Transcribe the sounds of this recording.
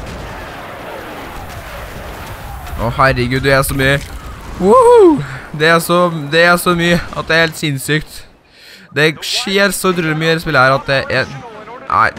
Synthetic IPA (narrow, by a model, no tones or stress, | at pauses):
ʔɔhæɾːəɡʉːd̪æʂɔmyːəwu | d̪ɛæʂɔd̪ɛæɾʂɔmyːəɑ̰t̪̚d̪ɛæɾheːlt̪sɪnsykt̪ | d̪ɛæʂeːɾsɔt̪ʰɾʉːləmyːəspɪlːəhæːɾɑt̪̚d̪ɛʔ | æ̰ɪ